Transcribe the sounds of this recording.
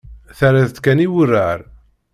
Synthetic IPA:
θaɾaðt̪kæniwərːaɾ

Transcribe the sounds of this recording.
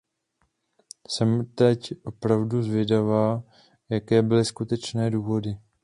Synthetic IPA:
sɛmt̪ɛcʔo̞pɾavduzvjɛdavaː | jakɛːbɪlɪskut̪ɛt͡ʃnɛːduːvo̞dɪ

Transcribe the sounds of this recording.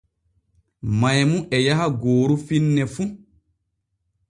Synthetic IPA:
majmuʔɛjaɦaɡoːɾufinːɛfu

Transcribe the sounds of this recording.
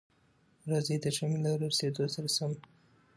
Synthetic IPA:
ɾɑzed̪əʒamelawɾəɾsed̪osaɾasam

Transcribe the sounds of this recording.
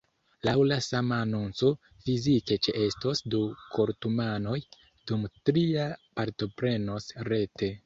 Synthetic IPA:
lawlasamaːnunt͡so̞ | fizike̞t͡ʃeʔestosduko̞ɾtumano̞j | d̥umtɾiapaɾto̞pɾe̞no̞sɾe̞te̞

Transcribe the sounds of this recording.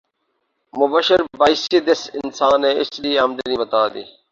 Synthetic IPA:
mʊbəʃəɾbaːisiːd̪esɪnsaːnẽːɪsɗiːaːmd̪enĩːbət̪aːd̪ḭː

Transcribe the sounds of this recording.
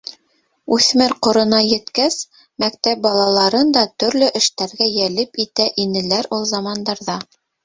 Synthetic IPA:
ʉθmɘɾqŏɾɤ̆nɑjɘ̆t̪kæs | mæk̚t̪æp̚bɑlˠɑlˠɑɾɤnd̪ɑt̪ɵ̆ɾlɵʔɘ̆ʃt̪æɾɡæjælɘpit̪æʔinɘ̆læɾulˠzɑmɑnd̪ɑɾðɑ

